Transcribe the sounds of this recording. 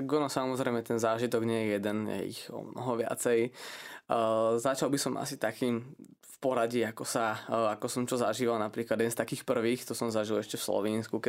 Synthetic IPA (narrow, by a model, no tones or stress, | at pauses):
aɡɔnɔsamɔzɾɛɪjmɛt̪ɛnzaːʒit̪ɔɡɲɛjɛjɛd̪ɛnjɛ̰ḭxɔ̰mnɔ̰ɦɔʋɪa̰t͡sɛj | zat͡ʃalbisɔmʔa̰sit̪akiːm | fpɔɾaɟiakɔsaakɔsɔmt͡ʃɔzaʒiːʋalnapɾiːklad̪ɛd̪ɛnst̪akiːxpr̩ʋiːxt̪ɔsɔmzaʒilɛʃcɛfslɔ̰ʋiːnskukɛ